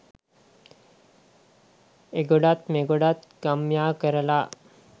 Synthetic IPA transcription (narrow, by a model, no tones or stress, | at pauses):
eɡoɽat̪meɡoɽat̪kəmjakəɾəla